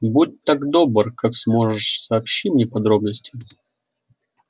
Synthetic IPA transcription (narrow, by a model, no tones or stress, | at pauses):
but̚ʲt̪aɡd̪obərkaksmo̞ʐɨʂsɐːpɕːimnʲepɐd̪ɾo̞bnəsʲtʲɪ